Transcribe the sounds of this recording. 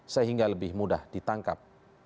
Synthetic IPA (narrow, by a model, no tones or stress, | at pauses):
səɦiŋɡaləbɪhmudahd̥it̪aŋkap̚